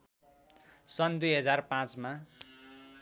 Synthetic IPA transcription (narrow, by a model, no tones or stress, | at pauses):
sʌnd̪ujɦʌd͡zarpãt͡sma